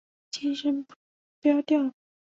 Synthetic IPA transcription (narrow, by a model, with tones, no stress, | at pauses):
t͡ɕʰi˥nʂə˥np | pjɑ˥ʊt̪jɑ˥˩ʊ